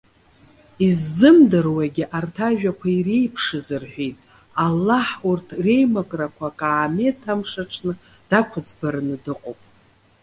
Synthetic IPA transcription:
izːɨmdɨrwaɡʲɪʔartʰaʒᶣakʷʰaire̞jpʰʂɨzɨrħʷᶣejtʼ | alːaħurtʰre̞jmakʼrakʷʰakʼaːme̞tʰamʂaʈ͡ʂʰnɨd̥akʷʰad͡zbaɾɨnɨdɨqʼowpʼ

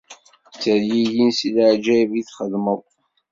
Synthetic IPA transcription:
t͡sːəɾjijinsilʕd͡ʒæviθχəðməðˤ

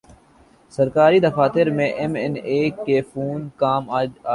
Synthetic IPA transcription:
səɾkaːɾiːd̪əfaːt̪ɪɾmẽʔɛmɪneːkːeːfuːnkaːm

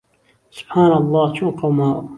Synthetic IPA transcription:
sʊ̥b̥ħaːnlˤːɑːt͡ʃʰuqɑwmaː

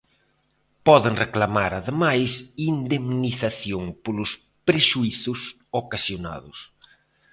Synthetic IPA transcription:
pɔðɪŋreklamaɾaðemajsind̪emniθaθjoŋpolʊs | pɾeʃuiθʊs | okasjona̰ðʊs

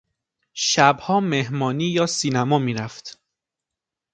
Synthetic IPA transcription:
ʃæbhɒːmehmɒːniːjɒːsiːnæmɒːmiːɾæft̪

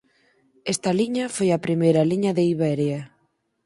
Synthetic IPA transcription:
ɛst̪ɐliɲɐfojɐpɾimejɾɐliɲɐðeiβɛɾjɐ

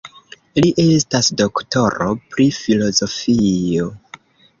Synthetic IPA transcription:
liʔe̞stasdo̞kto̞ɾo̞̰pɾifilo̞zo̞fio̞

